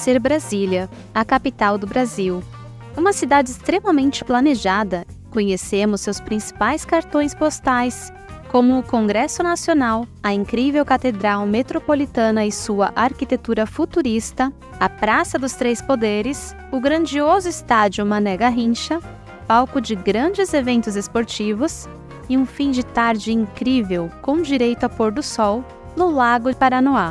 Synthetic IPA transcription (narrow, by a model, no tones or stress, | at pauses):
seɾbɾaziljɐ | ɐkapit̪awd̪ʊbɾaziw | ũmɐsid̪ad͡ʒɪɪst̪ɾemɐmẽnt͡ʃɪ̥plɐneʒad̪ɐ | kõɲesemʊsːewspɾĩsi̥pajskaɾt̪õj̃spost̪ajs | kõmʊːkõŋɡɾɛsʊnasionawɐĩŋkɾivewkat̪ed̪ɾawmet̪ɾopolit̪ɐ̃nɐɪsuɐʔaɾkit̪et̪uɾɐfut̪uɾist̪ɐ | ɐpɾasɐd̪ʊst̪ɾejspod̪eɾɪs | ʊɡɾɐ̃nd͡ʒiozʊɪst̪ad͡ʒiʊmɐ̃nɛɡɐɦĩʃɐ | pawkʊd͡ʒɪɡɾɐ̃d͡ʒɪzevẽnt̪ʊzespoɾt͡ʃivʊs | ɪũfĩd͡ʒɪt̪aɾd͡ʒɪĩŋkɾivewkõw̃d͡ʒiɾejt̪ʊɐpoɾd̪ʊsɔw | nʊlaɡʊpaɾanoa